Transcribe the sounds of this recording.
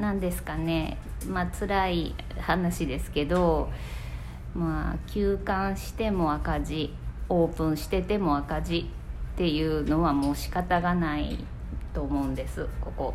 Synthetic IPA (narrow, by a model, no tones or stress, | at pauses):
nãnd̪e̞sɨ̥kane̞ | mat͡sɨɾaihanaɕid̪e̞sɨ̥ke̞d̪o̞ | maːkʲɨːkãɰ̃ɕi̥t̪e̞mo̞akaʑi | o̞ːpɯ̟̃ɰ̃ɕi̥t̪e̞t̪e̞mo̞akaʑi | t̪ːe̞jɯ̟ːno̞βamo̞ːɕi̥kat̪aɡanaḭ | t̪o̞ːmo̞ɯ̟̃nd̪e̞sɨko̞ko̞